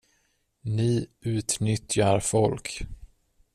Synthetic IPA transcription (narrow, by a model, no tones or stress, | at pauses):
nɪʉ̟ːt̪nʏt̪jaɾfɔlk